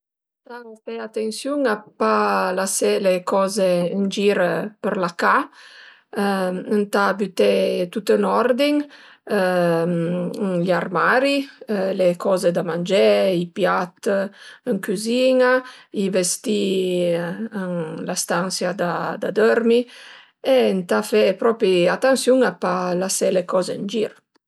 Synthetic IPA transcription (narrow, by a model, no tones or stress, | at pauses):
ənt̪afɛat̪ensjuŋapalasɛlekʰɔːzeənd͡ʒiɾpəɾlaka | ənt̪abyt̪et̪ut̪ənɔɾd̪iŋ | ʎaɾmaɾilekʰɔːzed̪amand͡ʒɛipjat̪əŋkyziŋaivest̪i | əŋlast̪ansjad̪ad̪a̰d̪øɾmi | ent̪afɛpɾɔpɾiat̪ːansjuŋapalasɛlekɔzeənd͡ʒiɾ